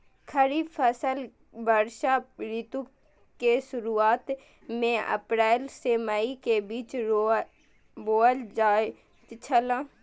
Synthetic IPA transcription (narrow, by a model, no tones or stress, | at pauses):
kʰəɾiːpʰəsəl | bəɾʃaɾit̪ũ | kesʊɾuːaːt̪ | mẽə̰pɾɛːlsemaikebiːt͡ʃ | boːəld͡ʒaː | t̪t͡ʃʰəlãː